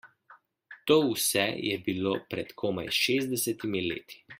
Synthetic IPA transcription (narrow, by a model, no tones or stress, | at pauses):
t̪oːwsɛjɛbiloːpɾɛt̪kʰoːma̰jʃeːzd̪ɛsɛt̪imilḛːt̪i̥